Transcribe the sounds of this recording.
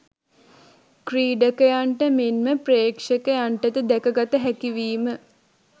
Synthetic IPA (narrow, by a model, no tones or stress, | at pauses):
kriːɖəkəjaɳʈəmenməpreːkʂəkəjaɳʈət̪əd̪ækəɡat̪əɦækiʋiːmə